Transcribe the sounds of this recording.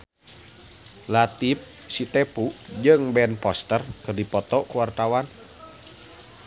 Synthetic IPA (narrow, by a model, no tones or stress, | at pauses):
lat̪ip̚ | sit̪ɛpud͡ʒɨŋbɛnpɔst̪ərkɨrdipɔt̪ɔkuwart̪awan